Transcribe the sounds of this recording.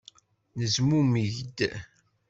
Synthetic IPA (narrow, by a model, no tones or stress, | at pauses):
nəzmumiʝd̪